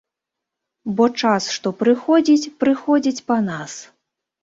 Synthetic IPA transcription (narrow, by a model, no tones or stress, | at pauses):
bɔt͡ʂasʂt̪ɔpɾɨxɔd͡zʲit͡sʲpɾɨxɔd͡zʲit͡sʲpanas